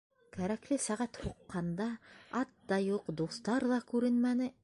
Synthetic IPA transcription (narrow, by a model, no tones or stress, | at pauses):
kæɾæklɘsæʁæt̪huqːɑnd̪ɑɑt̪ːɑjuqd̪uθt̪ɑɾðɑkʉɾɘnmænɘ